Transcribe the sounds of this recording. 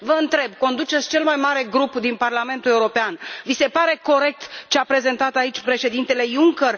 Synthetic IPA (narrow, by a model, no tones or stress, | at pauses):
vəɨnt̪ɾe̞b̚ko̞nd̪ut͡ʃetsʲt͡ʃe̞lmajmaɾe̞ɡɾupd̪inparlame̞nt̪ule̞uɾo̞peanvise̞paɾe̞ko̞ɾe̞k̚t̪t͡ʃeapɾe̞ze̞nt̪at̪ait͡ʃʲpɾe̞ʃe̞d̪int̪e̞le̞juŋker